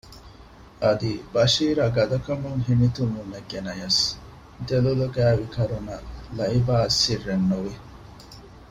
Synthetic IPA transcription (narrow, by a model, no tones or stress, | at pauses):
ʔɐd̪ibɐʃiːɾɐɡɐd̪ɐkɐmuŋɦemit̪umːuneɡenɐjɐs | d̪eluluɡæːʋikɐɾunɐlɐibaːsːirːenːuʋi